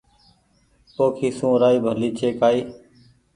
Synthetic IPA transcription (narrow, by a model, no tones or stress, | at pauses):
p̪oːkʰiːsũːɾaːiːbʱəliːt͡ʃeːkaːiː